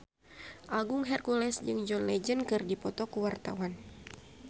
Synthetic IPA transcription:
ʔaɡuŋɦɛrkulɛsd͡ʒɨŋd͡ʒɔnlɛd͡ʒənkɨrdipɔt̪ɔkuwart̪a̰wan

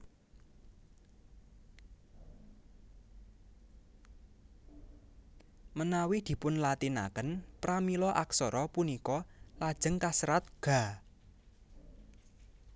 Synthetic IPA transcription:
mənawid̪̥i̤pʊnlat̪ina̰kənpɾamilɔʔaksɔɾɔpunikɔlad̥ʒ̥ə̤ŋkasɾat̪̚ɡ̥a̤

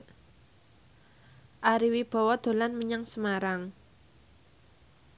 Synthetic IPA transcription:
ʔaɾiwib̥ɔ̤wɔd̪̥o̤lanməɲaŋsəmaɾaŋ

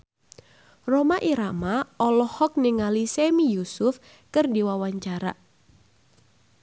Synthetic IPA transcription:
romaʔiɾamaɔlɔhɔk̚nɪŋalisemijusʊf | kɨrdiwawaɲt͡ʃaɾa

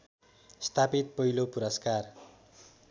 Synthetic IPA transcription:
st̪ʰapit̪̚pʌɦilopuɾʌskar

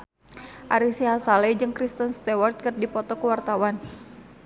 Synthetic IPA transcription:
ʔaɾisiɦasalɛd͡ʒɨŋkɾist̪ənst̪ɛwart̪̚kərdipɔt̪ɔkəwart̪awan

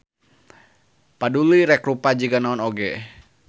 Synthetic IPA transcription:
paduliɾɛkɾupad͡ʒiɡanaɔnoɡɛ

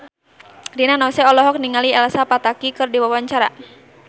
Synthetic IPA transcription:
rinanɔsɛɔlɔɦɔk̚niŋaliɛlasapat̪akikɨrdiwawaɲt͡ʃaɾa̰

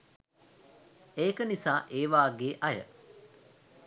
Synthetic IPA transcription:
eːkənisaːʔeːʋaːɡeːʔajə̰

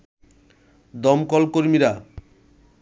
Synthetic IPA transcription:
d̪ɔmkɔlkoɾmiɾa

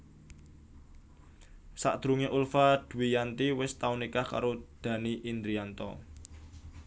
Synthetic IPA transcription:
sa̰ʔd̪̥ɾuŋeʔulfad̪̥ṳwijant̪iwɪst̪aunikahka̰ɾod̪̥ä̤niʔind̪ɾiant̪ɔ̰

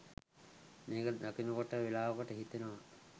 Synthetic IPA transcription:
meːkəd̪akinəkoʈəʋelaːʋəkoʈəɦit̪enoʋa

